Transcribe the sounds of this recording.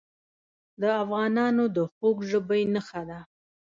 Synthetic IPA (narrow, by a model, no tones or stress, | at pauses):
d̪əafɣɑnɑnod̪əxokʒəbəjnəxad̪a